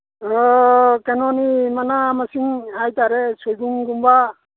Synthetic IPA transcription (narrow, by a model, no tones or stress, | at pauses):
kenɔnimanamasiŋhajtaɾɛsujɡuŋɡumba